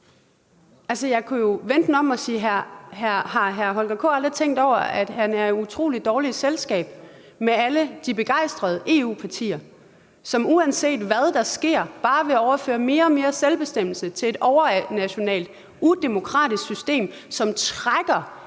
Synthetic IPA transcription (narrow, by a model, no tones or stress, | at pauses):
ælsəjɑ̈ɪkʰujo̝ʋend̥n̩ɒ̽mɒsiːɦhæɐhɑ̈ɦæɐɦɒ̽lɡ̥ækʰo̰ːɑ̈ld̥ʁit͡sʰeŋ̰d̥ɒʊɐæd̥hænæɐut͡sʰʁo̝̰ːlid̥ːɒːliselsɡ̥ɛ̰ːb̥̚ | meæləd̥ibe̝ɡ̥ɑ̈ɪ̰sd̥ʁɐð̞ˠəʔe̝ːṵːpʰɑ̈t͡sʰḭːɐ | sɒ̽muænse̝̰ːd̥ʋæð̞ˠd̥ɑ̈sɡ̥e̝ɐ̰b̥ɑ̈ːʋe̝ɒʊɐfø̰ːɐme̝ːɐɒ̽me̝ːɐselb̥e̝sd̥em̰l̩sət͡sʰe̝e̝d̥ɒʊɐnæɕo̝nɛ̰ːld̥ | ud̥e̝mo̝kʰʁɑ̰̈ːd̥isɡ̥sysd̥e̝̰ːmsɒ̽mt͡sʰʁaɡ̥ɐ